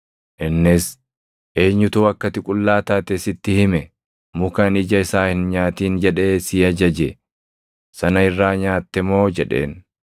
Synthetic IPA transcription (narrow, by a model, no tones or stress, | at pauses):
ʔɪnːɪs | ʔe̞ːɲːʊt̪uːɐkːɐt̪ɪkʼʊlːaːt̪aːt̪ɛsɪt̪ːɪhɪmɛ | mʊkɐnɪd͡ʒɐɪsaːhɪnɲaːt̪iːnd͡ʒɛᶑe̞ːsiːɐd͡ʒɐd͡ʒɛ | sɐnɐɪrːaːɲaːt̪ːɛmo̞ːd͡ʒɛᶑe̞̰ːn